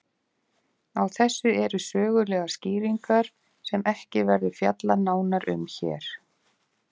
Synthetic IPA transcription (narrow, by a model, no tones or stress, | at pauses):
awθɛsːʏɛɾʏsœːɣʏlɛːɣasciːɾiŋkaɾ̥ | sɛmɛhcɪvɛɾðʏ̥fja̰t̪lanaːwnaɾʔʏ̰mçɛ̰ːɾ̥